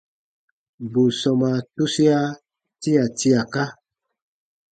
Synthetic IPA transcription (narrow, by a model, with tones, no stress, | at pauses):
bo˨sɔ˨ma˨tu˦si˦a˦ | ti˦a˨ti˦a˨ka˦